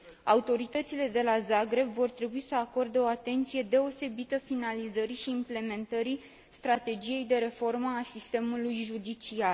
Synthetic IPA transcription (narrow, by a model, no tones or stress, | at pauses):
aut̪o̞ɾit̪ət̪sile̞d̪e̞lazaɡɾe̞bvo̞rt̪ɾe̞buisəako̞rd̪eo̞at̪e̞nt̪sije̞d̪e̞o̞se̞bit̪əfinalizəɾiʃiːmple̞me̞nt̪əɾi | st̪ɾat̪e̞d͡ʒije̞jd̪e̞ɾe̞fo̞rməasist̪e̞mulujʒud̪it͡ʃiar